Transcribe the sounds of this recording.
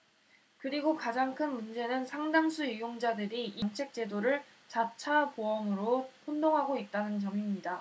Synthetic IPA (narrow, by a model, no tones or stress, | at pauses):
kɯɾiɡokad͡ʑaŋkʰɯnmund͡ʑe̞nɯnsʰaŋdamsʰuijoŋd͡ʑadɯɾiːnt͡ɕʰe̞k̚t͡ɕ͈e̞doɾɯɭ | t͡ɕat͡ɕʰapoʌmɯɾohondoŋɦaɡoit̚t͈anɯnt͡ɕʌmimɲida